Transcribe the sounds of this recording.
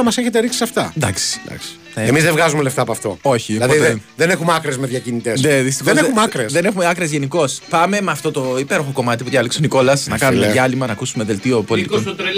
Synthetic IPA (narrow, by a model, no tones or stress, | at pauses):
ɐmɐseçet̪eɾiksi̥sɐft̪ɐnd̪ɐ̰ksi̥d̪ɐ̰ks | neemizðevɣɐzumeleft̪ɐːpoɐft̪o̞̰o̞çilɐðieðenexumɐkɾezmeðjɐcinit̪essneðist̪ixoeneumɐkɾesðe̞ne̞xumeɐkɾezʝe̞niko̞spɐme̞meɐft̪o̞t̪o̞ipe̞ɾo̞xo̞ko̞mɐt̪ipuðʝɐliksoniko̞lɐsnɐkɐnumeʝɐlimɐnɐːkusumeðe̞lt̪io̞po̞lit̪ikon